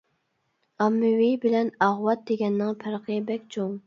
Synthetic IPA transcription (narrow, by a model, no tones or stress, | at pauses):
ɑmːɪwibɪlɛnɑʁwɑt̪̚d̪eɡʲɛnːɪŋpʰæɾqʰəbɛkʲt͡ʃʰoŋ